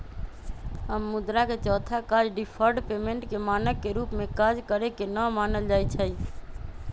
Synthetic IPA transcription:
ɦəmːud̪ɾaket͡ʃɔːt̪ʰakad͡ʒɖipʰəɾɖpemeɳʈkemanəkːeɾupmekad͡ʒkəɾɛkenəmanəld͡ʒajt͡ʃʰəj

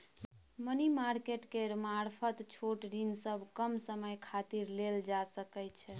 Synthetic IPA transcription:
mənimaɾkeʈkeɾmaɾpʰət̪t͡ʃʰoʈɾinsəbʱkəmsəməjkʰat̪iɾleld͡ʒasəkəjt͡ʃʰɛ

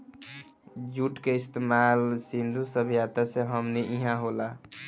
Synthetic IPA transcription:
d͡ʒuʈkeɪst̪emalsind̪ʱusəbʱijat̪aseɦəmniʔiɦãɦola

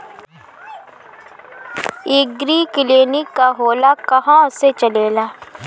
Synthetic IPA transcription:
ɪɡɾiːkɪleːnikːaɦoːlakɐɦãʊset͡ʃəleːlaː

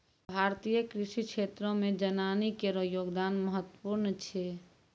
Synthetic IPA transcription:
bʱaɾt̪ijəkɾisikʃʰet̪ɾõmẽd͡ʒənanikeɾojoːɡd̪aːnməɦət̪ːəpuɾnt͡ʃʰɛ

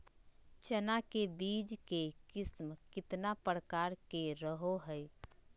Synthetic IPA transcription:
t͡ʃənakebid͡ʒkekɪsmkɪt̪napəɾkaɾkeɾəɦoɦəj

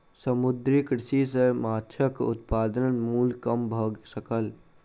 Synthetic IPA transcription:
səmʊd̪ɾikɾɪsisemaːtʃʰəkʊ̰t̪̚paːd̪ənnmuːlkəmbʱəɡsəkəl

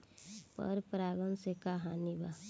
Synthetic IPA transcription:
pə̰ɾpɾaːɡənsekaɦaniba

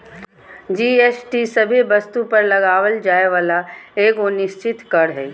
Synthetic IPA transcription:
d͡ʒiːeːsʈisɐbʱibɐst̪upɐɾlɐɡaːʋəld͡ʒaːeʋaːlaeːɡonɪʃt͡ʃɪt̪kɐɾɦɛː

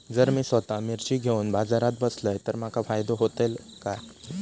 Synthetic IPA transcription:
d͡zəɾmiːsʋət̪amiɾt͡ɕiːɡʱeunbad͡zaɾat̪̚bəsləjt̪əɾm̤akʰafajd̪oɦot̪elka

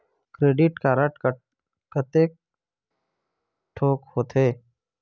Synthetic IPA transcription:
kɾeːɖɪʈkaɾəʈ | kət̪eːk̚ | ʈʰoːkhoːt̪eː

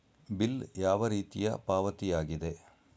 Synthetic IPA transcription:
biljaːʋɐɾiːt̪ijɐ̰paːʋɐt̪ijaːɡid̪e̞

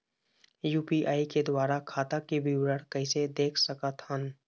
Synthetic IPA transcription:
juːpiʔaːiked̪waːɾakʰaːt̪akebiwɾəɽkɐɪsed̪eːkʰsəkət̪ɦən

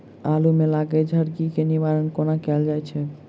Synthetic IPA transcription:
alumelaɡed͡ʒʱəɾɡikenibaɾənkonakɛld͡ʒajt͡ʃʰe

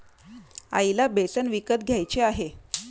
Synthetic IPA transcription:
a̰ilabesənʋikət̪̚ɡʱjajt͡ɕeaɦe

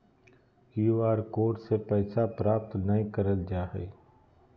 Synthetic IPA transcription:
juaːɾkoːʈsepɛːsapɾaːp̚t̪nɐĩkəɾəld͡ʒaːɦɛ̰ː

